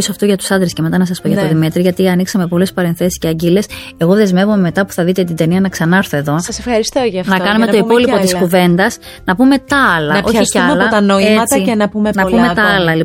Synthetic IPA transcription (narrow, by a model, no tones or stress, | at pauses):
isoɐft̪oʝɐt̪u̥sɐnd̪ɾesce̞me̞t̪ɐnɐs̬ɐspoʝɐt̪oðimit̪ɾiʝɐt̪iɐniksɐme̞po̞le̞spɐɾe̞nθe̞si̥sceɐɟile̞se̞ɣo̞ðe̞zme̞vume̞me̞t̪ɐpu̥θɐðit̪et̪ind̪e̞niɐnɐksɐnɐɾθoe̞ðo̞sɐsefxɐɾist̪oʝɐfnɐkɐnume̞to̞ipo̞lipo̞tiskuve̞nd̪ɐs | nɐpume̞t̪ɐɐlɐnɐoçɐiɐmɐlɐot̪ɐnoeɐtt͡s̪ɐenɐpumenɐumet̪ɐɐlɐli